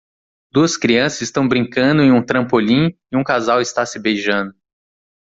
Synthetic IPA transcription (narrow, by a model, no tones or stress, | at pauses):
d̪uɐskɾiɐ̃sɐzɪst̪ɐ̃w̃bɾĩŋkɐ̃nd̪ʊẽj̃ũt̪ɾɐ̃mpolĩɪũkazawɪst̪asɪbejʒɐ̃nd̪ʊ